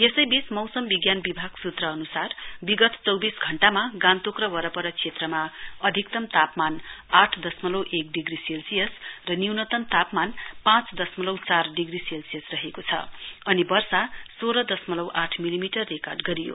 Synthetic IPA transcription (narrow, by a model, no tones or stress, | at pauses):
jesʌjbismʌwsʌmbiɡjanbibʱaɡ̥sut̪rʌːnusarbiɡʌt̪t͡sʌwbisɡʱʌɳʈamaɡãnt̪okrʌwʌɾʌpʌɾʌt͡sʰet̪rʌmaʌd̪ʱik̚t̪ʌmt̪apmanaʈʰd̪ʌsmʌlʌwʔek̚ɖiɡriselsijʌsrʌniwnʌt̪ʌnt̪apmanpãt͡sd̪ʌsmʌlʌwt͡sarɖiɡriselsijʌsrʌɦekot͡sʰʌ̰ʌnibʌrsasoɾʌd̪ʌsmʌlʌwʔaʈʰmilimiʈʌrːekarɖɡʌɾijo̰